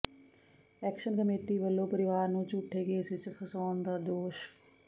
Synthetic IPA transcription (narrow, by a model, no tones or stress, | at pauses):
ɛːkʃənkəmeːʈiːʋəlːõːpəɾɪʋaːɾnũːt͡ʃuːʈʰːeːɡeːɪsʋɪt͡ʃpʰəsaːnd̪aːd̪oːʃ